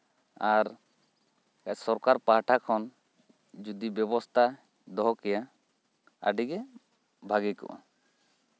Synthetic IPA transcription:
aɾ | kasɔɾkaɾpaɦʈʰakʰɔn | d͡ʒud̪ibjɔbɔst̪ʰa | d̪ɔɦɔkɛja | a̰ɖiɡɛ | bʱaɡɛkɔ̰ʔa̰

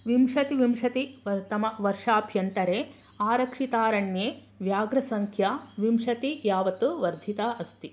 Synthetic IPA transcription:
ʋimʂɐt̪iʋimʂɐt̪iʋɐɾt̪ɐmɐʋɐɾʂaːbʱjɐnt̪ɐɾeː | aːɾɐkʂit̪aːɾɐɳjeː | ʋjaːɡɾɐsɐŋkʰjaːʋimʂɐt̪ijaːʋɐt̪uʋɐɾd̪ʱit̪aɐst̪i

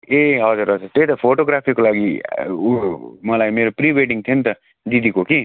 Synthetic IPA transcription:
eɦʌd͡zuɾʌt͡sʰʌt̪ejt̪ʌpʰoʈoɡɾapʰikolaɡiumʌlajmeɾopɾibeʈiŋt̪ʰijont̪ʌ | d̪id̪ikoki

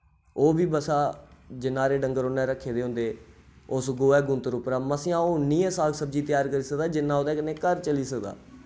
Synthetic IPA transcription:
oːbiːbəsaːd͡ʒɪnːaːɾeːɖəŋɡəɾoːnɛ̃ːɾəkʰːeːd̪eːɦʊ̃nd̪eːʊsɡoːɛːɡʊ̃nt̪əɾʊpɾaːməsɪjãːoːnĩːɛsaːɡsəbd͡ʒiːt̪ɪjaːɾkəɾiːsək̚d̪aːd͡ʒɪnːãːod̪ɛːkɪnːeːkəɾt͡ʃəliːsəkd̪a̰ː

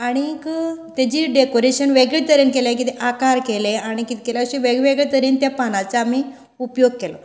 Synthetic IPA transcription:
aɽ̃ikət̪ed͡ʑiːɖekoɾeɕənʋeɡeɭt̪əɾiːnkelẽkit̪ʰɛʔakaɾkeleaɽ̃ikit̪ɛkelaəɕiʋeɡʋeɡɭt̪əɾiːnt̪japanat͡saːmiː | upjoɡ̚kelo

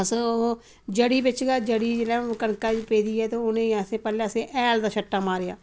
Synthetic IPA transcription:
əso | d͡ʒəɽiːbɪt͡ʃɡaːd͡ʒəɽiːd͡ʒeːɽɛːkənkaːd͡ʒpeːd̪iːɛːt̪oːʊnẽːasẽːpɛːleəsẽːʔɛːld̪aːʃʰəʈːaːmaːɾeja̰ː

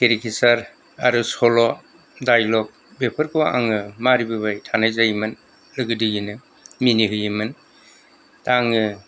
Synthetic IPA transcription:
keɾikʰisaɾ | aɾɯsɔlɔ | dajlɔk̚ | bepʰɐɾkʰɔa̰ŋɯmaɾibɯβajtʰanajzajimɯn | lɯɡɯdɯɡinɯ | miniɦɯjimɯn | tʰaŋɯ

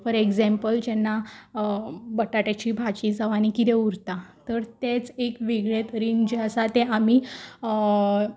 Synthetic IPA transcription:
fəɾeɡd͡zempəld͡ʑɛnːa | bəʈaʈjat͡ɕiːbʱat͡ɕiːd͡zəʋanikit̪euɾt̪at̪əɾt̪et͡sekʋiɡɭet̪əɾiːnd͡ʑeəsat̪eami

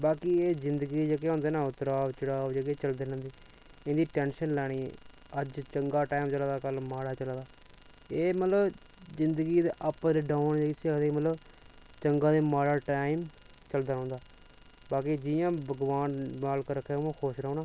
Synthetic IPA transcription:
baːkiːeːzɪnd̪əɡid͡ʒəɡeːõːnd̪eːnãːʊt̪ːəɾaːʋt͡ʃəɽaːʋd͡ʒəɡeːt͡ʃəld̪eːlə̃ːnd̪iː | ẽd̪iːʈɛ̃ːnʃənlɛːɽ̃ḭː | əd͡ʒt͡ʃəŋɡaːʈaːimt͡ʃəlãːd̪aːkəlmaːɽaːt͡ʃəlaːd̪aː | eːmət̪ləb | zɪnd̪əɡiːd̪ːʔapːd̪eːɖaːʊnd͡ʒsikd̪eːmət̪ləb | t͡ʃəŋɡãːd̪eːmaːɽaːʈaːim | t͡ʃəld̪aːõːnd̪aː | baːkiːd͡ʒɪjãːbəɡʋaːnmaːlkaɾəkʰːeːmõːkʰoːʃɾəoːnaː

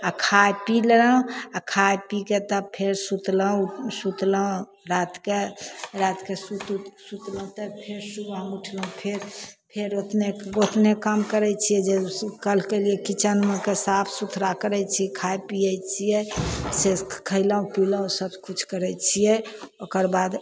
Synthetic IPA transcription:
akʰajpilə̃akʰajpiket̪əb̚pʰeɾsut̪lə̃sut̪lə̃ | ɾat̪keɾat̪kesut̪sut̪lə̃t̪əpʰeɾsubə̃uʈʰləũpʰeɾpʰeɾot̪nekot̪nekamkəɾɛt͡ʃʰijɛd͡ʒekəl̤kelijekit͡ʃənmekesapʰsut̪ʰɾakəɾɛt͡ʃʰiɛkʰajpijəjt͡ʃʰijɛsekʰəɪləũpiləũsəbkut͡ʃʰkəɾɛt͡ʃʰijɛokəɾbad̪

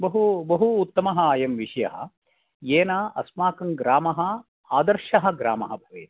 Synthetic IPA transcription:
bɐɦubɐɦuːt̪ːɐmɐɦɐaːjɐmʋiʂɐjɐ̰ɦɐ̰̆ | jeːnaːʔɐ̰smaːkɐŋɡɾaːmɐɦɐ̆ | aːd̪ɐɾʃɐɦɐ̆ɡɾa̰ːmɐɦɐbʱɐʋḛːt̪

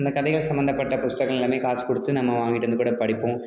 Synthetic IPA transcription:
ɐnd̪ɐkɐðɐɪɣɐɭsɐmbɐnd̪ɐpːɐʈːɐpʊst̪ɐkːɐɭɪlameːkaːskɔɽɯt̪ːɯnɐmːɐʋaːŋɡɪʈːɾɯnd̪ɯkuːɽɐpɐɽɪpːõː

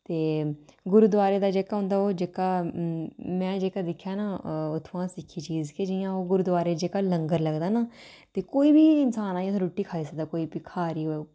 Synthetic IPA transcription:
t̪eːɡʊɾuːd̪ʋaːɾeːd̪aːd͡ʒeːkaːɦʊ̃nd̪aːoːd͡ʒeːkaː | mɛ̃ːd͡ʒeːkaːd̪ɪkʰːjaːnaːʊt̪ʰʋãːsɪkʰːiːt͡ʃiːzked͡ʒɪjãːoːɡʊɾuːd̪ʊʋaːɾeːd͡ʒeːkaːləŋɡəɾləɡd̪aːnaː | t̪eːkoːiːbiːɪnsaːnaːioːtːɾoːʈːiːkʰaːiːsəkd̪aːkoːiːpɪkʰaːɾiːoɛ

